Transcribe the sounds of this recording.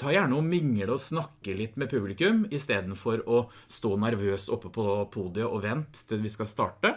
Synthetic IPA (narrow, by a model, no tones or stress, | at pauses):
t̪ʰɑːɾjæːɳəɔmɪŋːəɖɛɔsnɑkːəlɪt̪ːmɛpʰʉblɪkʉmɪst̪eːd̪n̩fɔɾɔ | st̪oːnæɾʋøːsɔpːəpʰɔpʰuːd̪ɪʊʔɔʋɛnt̪t̪ʰːɪlʋɪskɑlst̪ɑːʈə